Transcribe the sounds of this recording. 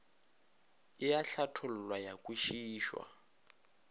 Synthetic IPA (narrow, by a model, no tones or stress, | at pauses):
ɪjaɬatʰʊl̩lwajakʼuʃiːʃwa̰